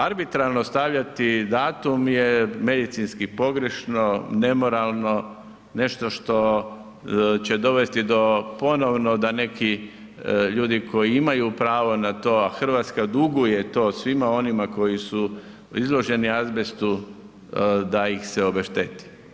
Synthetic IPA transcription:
aɾbit̪ɾalnost̪aʋʎat̪id̪aːt̪umjeme̞d̪it̪sinskipo̞ɡɾe̞ʃno̞ne̞mo̞ɾalˠno̞ | ne̞ʃt̪o̞ʃt̪o̞ | t͡ɕe̞d̪o̞ʋe̞st̪id̪o̞po̞noʋno̞d̪ane̞ki | ʎuːd̪iko̞jiimajupɾaːʋo̞nat̪o̞ːaxr̩ʋaːt̪skad̪uɡujet̪o̞ːsʋimao̞nimako̞jisu | izlo̞ʒe̞niazbest̪u | d̪aixseo̞beʃt̪et̪i̥

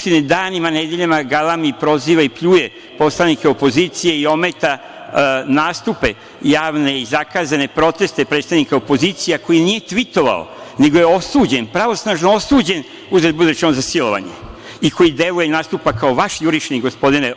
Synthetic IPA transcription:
t̪ined̪aːnimaned̪eʎamaɡalamipɾo̞ziːʋaipʎuːje | po̞slˠanikeo̞po̞ziːt̪sije̞io̞met̪a | naːst̪upe̞ | jaːʋne̞izakaːzane̞pɾo̞t̪e̞st̪e̞pɾet̪st̪aʋnikaopo̞zit̪sijako̞jinije̞t̪ʋit̪o̞ʋa̰o̰neɡojeo̞suːd͡ʑenpɾaʋo̞snaʒnoo̞suːd͡ʑe̞n | uzet̪̚bud̪ut͡ʃenozasilˠo̞ʋa̰ɲḛ | ikʰo̞jid̪e̞lujenaːst̪upakaoʋaʃjuɾit͡ʃniɡo̞spo̞d̪ine

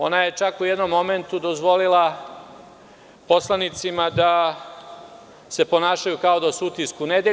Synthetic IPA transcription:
o̞naje̞t͡ʃakujed̪no̞mːo̞me̞nt̪ud̪o̞zʋo̞lilˠa | po̞slˠanit̪simad̪a | se̞po̞naːʃajukao̞d̪asuut̪iskune̞d̪e

